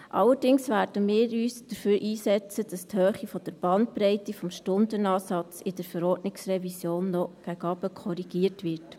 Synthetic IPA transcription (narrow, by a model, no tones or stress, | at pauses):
ʔɑ̰lːəɾdɪŋsʋæːɾd̥əmɪːɾyːsd̪̥əɾføːɾʔiːsɛt͡səd̥ɑsthøːχifɔd̥əɾb̥ɑnt̚pɾɛɪtifɔmʃtʊndənɑːsɑt͡sɪd̥əɾfəɾɔːdnɪksrɛvisjoːnːɔɡ̥æɡɑbəkʰχɔɾiɡ̥iəɾtʋɪɾt